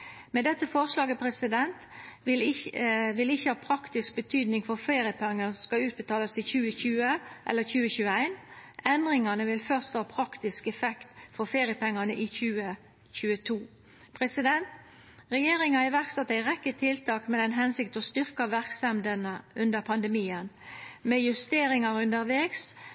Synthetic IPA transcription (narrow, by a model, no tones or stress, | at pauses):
mɛd̪ɛt̪ːəfɔʁʂlɑːɡəpʰɾɛsɪd̪ɛnt̪ɪlɪʋɪlɪçːəhɑːpʰɾɑkt̪ɪsk̚bət̪ʰyːd̪nɪŋfɔʁfeːɾɪəpʰɛŋːɑnsskɑʉːt̪̚bət̪ʰɑːləsɪçʉːəçʉːəʔɛ̰lːəçʉːəçʉːəæɪnɛnd̪ʁɪŋɑnəʋɪlfœʁst̪ɑːpʰɾɑkt̪ɪskɛfɛkt̪fɔʁfeːɾɪjəpɛŋːɑnəʔɪçʉːə | çʉːət̪ʰuː | pʰʁɛsɪd̪ɛnt̪ | ʁɛjeːɾɪŋɑɪʋæʁkst̪ɑt̪ːæɪʁɛkːət̪ʰɪlt̪ʰɑːkmɛd̪ɛnɦɛnsɪkt̪ɔst̪ʏʁkɑʋæʁksɛmd̪ənəʉnd̪əɾpʰɑnd̪ɛmiːənmɛjʉst̪eːɾɪŋɑɾʉnd̪əɾʋeːks